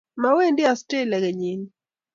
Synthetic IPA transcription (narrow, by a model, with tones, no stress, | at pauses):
mawe˦ndɪ˦aste˦lɛ˨ɡɛ˨ɲi˨n